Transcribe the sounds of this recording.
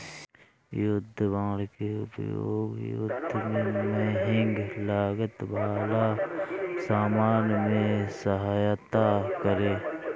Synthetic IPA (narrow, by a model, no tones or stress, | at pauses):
jʊd̪ʱbaːlkeʊ̰pjo̰ːɡjʊ̰d̪ʱmẽməɦɪ̃ŋɡlaːɡət̪baːla | saːmaːnmẽsəɦaːjt̪akəɾeː